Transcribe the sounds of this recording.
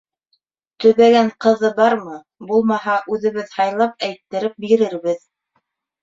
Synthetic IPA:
t̪ɵ̆βæɡæɴqɤ̆ðɤbɑɾmɤ | bulˠmɑhɑʔʉðɘ̆βɘðhɑjlˠɑp̚æjt̪ːɘ̆ɾɘp̚biɾɘɾbɘð

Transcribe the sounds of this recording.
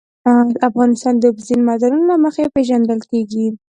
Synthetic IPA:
afɣɑnɪst̪ɑnd̪əbzinmɑd̪aɾunolaməxapeʒand̪əlkeɡi

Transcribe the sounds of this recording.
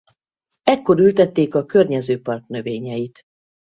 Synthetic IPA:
ɛkːo̞ɾylt̪ɛt̪ːeːkɒkø̞rɲɛzøːpɒrknø̞veːɲɛjit̪

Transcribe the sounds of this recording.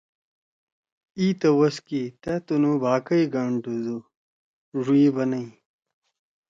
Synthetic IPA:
iːt̪ɐwɐskit̪ɐt̪unubaːkɐjɡaːɳʈuzu | ʐuibɐnɐi

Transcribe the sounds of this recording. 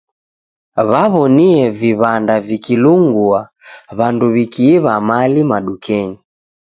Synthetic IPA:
βaβɔniɛviβandavikiluŋɡua | βanduβikiːβamalimaɗukʰɛɲi

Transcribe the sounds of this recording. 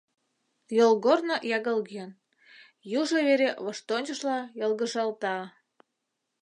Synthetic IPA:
jolˠɣornojɑɣɤlɡen | juʒɤβeɾeβoʃt̪onʲt͡ɕə̆ʃlɑjɤlɣə̆ʒɑlˠt̪ɑ

